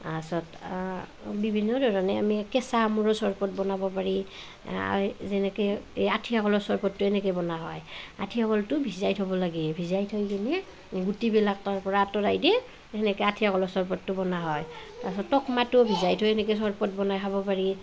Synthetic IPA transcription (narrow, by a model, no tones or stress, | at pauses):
asɔt | bibʱinːɔdɔɹɔnɛamikɛsamuɹɔsɔɹpɔt̚bɔnabɔpaɹi | a̰zɛnɛkɛeatʰijakɔlɔsɔɹpɔtːʊɛnɛkɔjbɔnaɦɔ̰ja̰tʰijakɔltʊbʱizajtʰɔbɔlaɡɛbʱizajtʰɔjkinɛ | ɡutibilak̚taɹpɔɹaːtɔdajdɛ | ɛnɛkɛatʰijakɔlɔsɔɹpɔtːʊbɔnaɦɔjtasɔtːɔkmatubʱizajtʰɔjɛnɛkɛsɔɹpɔtbɔnajɦʰabɔpaɹi